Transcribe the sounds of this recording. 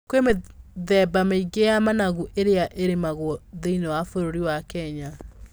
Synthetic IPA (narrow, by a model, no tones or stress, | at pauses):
kwemeðɛbameiɡeamanaɣuʔeɾeaʔeɾemaɣoɔðeinewafoɾoɾiwakɛɲa